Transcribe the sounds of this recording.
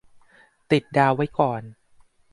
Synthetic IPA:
t̪i˨˩t̪̚daː˧wa˦˥jkɔː˨˩n

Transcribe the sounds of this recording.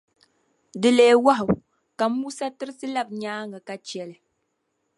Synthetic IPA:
dɨ˨le˨wa˦ɦʊ˨ | ka˨˦mu˦sa˦tɨ˦ɾɨ˦sɨ˦la˦bɲaː˦ŋa˨ka˨t͡ʃɛ˨lɨ˨

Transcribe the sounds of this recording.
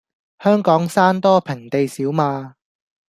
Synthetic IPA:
hœː˥ŋkɔː˨˥ŋsaː˥nt̪ɔː˥pʰɪ˨˩ŋt̪e˨jsiː˨˥wmaː˧

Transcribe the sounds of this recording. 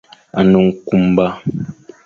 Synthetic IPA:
a˨nu˨ŋ̩˨ku˦mba˦

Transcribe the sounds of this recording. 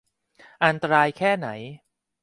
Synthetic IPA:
ʔa˧nt̪a˧ɾaː˧jkʰɛː˥˩na˩˦j

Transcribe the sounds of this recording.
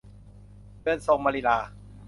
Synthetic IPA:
bɯ˧˩ə˨nso˧ŋmaː˧li˧˩laː˧

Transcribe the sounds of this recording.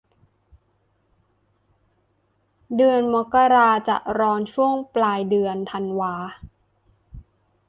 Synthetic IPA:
dɯ˧ənma˦˥kːa˧ɾaː˧t͡ɕa̰˨˩ʔɾɔː˧nt͡ɕʰu˥˩əŋplaː˧jdɯ˧ənt̪ʰa˧nwaː˧

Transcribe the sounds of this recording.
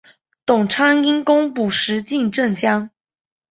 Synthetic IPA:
t̪ʊ˨˩ŋʈ͡ʂʰa˥ŋi˥nkʊ˥ŋpu˨˩ʂɻ̩˧˥t͡ɕi˥˧nʈ͡ʂə˥˩ŋt͡ɕjɑ˥ŋ

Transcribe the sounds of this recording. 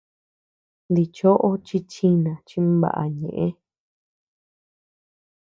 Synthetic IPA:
nd̪i˧t͡ʃo˦ʔo˦t͡ʃi˧t͡ʃi˦nã˨t͡ʃi˧mβa̰˨ʔa̰˨ɲḛ̃˨ʔẽ˦

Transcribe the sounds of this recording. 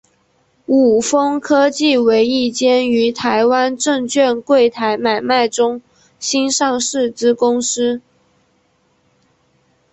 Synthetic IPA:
u˨˩fɤ˥ŋkʰɤ˥t͡ɕi˥˩we˧˥ɪi˥˩t͡ɕjɛ˥ny˧˥t̪ʰa˧˥ɪwa˥nʈ͡ʂɤ˥˧ŋt͡ɕʰɥɛ˥˧nkwe˥˩ɪt̪ʰa˧˥ɪma˨˩ɪma˥˩ɪʈ͡ʂʊ˥ŋ | ɕi˥nʂɑ˥˧ŋʂɻ̩˥˩t͡sɹ̩˥kʊ˥ŋs̩˥

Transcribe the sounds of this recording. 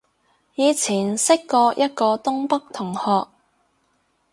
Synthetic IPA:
jiː˨˧t͡sʰiː˨˩nsɪ˥kːɔː˧jʔɐ˥t̚kɔː˧t̪ʊ˥ŋpɐ˥k̚t̪ʰʊ˨˩ŋhɔː˨k̚

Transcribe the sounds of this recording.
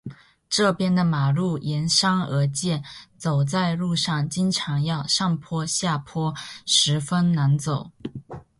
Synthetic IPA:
ʈ͡ʂɤ˥˩pjɛ˥nd̪ə˨ma˨˩lu˥˩jɛ˧˥nʂɑ˥ŋə˧˥t͡ɕjɛ˥˩nt͡so˨˩ʊt͡sa˥˧ɪlu˥˧ʂɑ˥˩ŋt͡ɕi˥nʈ͡ʂʰɑ˧˥ŋjɑ˥˧ʊʂɑ˥˩ŋpʰwɔ˥ɕja˥˩pʰwɔ˥ʂɻ̩˧˥fə˥nna˧˥nt͡so˨˩˦ʊ

